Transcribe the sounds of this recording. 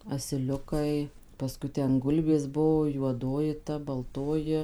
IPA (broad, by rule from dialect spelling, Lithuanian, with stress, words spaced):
ɐsʲɪˈlʲʊkɐɪ pɐˈskʊɪ ˈtʲɛn ˈɡʊlʲbʲeːs ˈbuɔ juɔˈdoːjɪ tɐ bɐlˠˈtoːjɪ